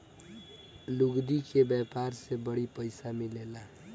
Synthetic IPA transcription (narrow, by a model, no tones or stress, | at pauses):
luɡd̪ikebjɛpaɾsebəɽipəɪsamilela